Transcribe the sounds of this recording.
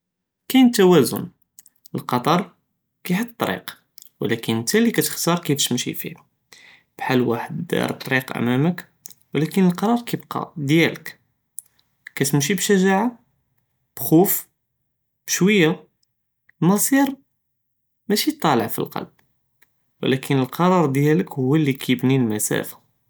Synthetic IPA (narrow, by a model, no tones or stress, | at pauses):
kæjnt̪ːæwæzʊ̰n | əlqɑt̪ˤɑɾˤ | kæħət̪ˤːt̪ːˤɾḭq | wlækənt̪ælikæt̪ə̥xt̪ɑɾˤkift̪mʃḭfḭ | b̥ħalwa̰ħəd̪d̪ɑ̰ɾˤt̪ˤɾiqʔæ̰mæmək | wəlækənəlqɑɾˤɑɾˤkæbqɑ̰d̪jælək | kæt̪mʃ̬ibʃæʒaʕa | b̥xuf | b̥ʃwəjːa | mɑsˤiɾ | mæʃit̪ˤːɑləʕfḭlqɑ̰lb̥̚ | wlækʰənəlqɑɾˤɑɾˤd̪jæləkhʊwːælːikæjəbnilmæsæ̰fḁ